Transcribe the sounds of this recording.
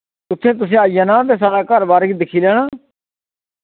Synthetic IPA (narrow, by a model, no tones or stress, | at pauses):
ʊt̪ʰːẽːt̪̬ʊs̬ẽːəjaːnãːt̪̬eːs̬aːɾaːkəɾbaːɾɡid̪ɪkʰiːlɛːɽ̃ãː